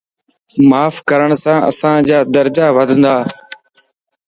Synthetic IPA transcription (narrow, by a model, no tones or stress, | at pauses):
maːfkəɾəɳsãːʔə̰sãːd͡ʒaːd̪əɾd͡ʒaːʋəd̪ʱənd̪aː